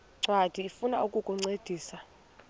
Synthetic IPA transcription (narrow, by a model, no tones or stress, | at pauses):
ŋ͡ǀwad̥ʱiːfunaukʼukʼuŋ͡ǀed̥ʱiːsa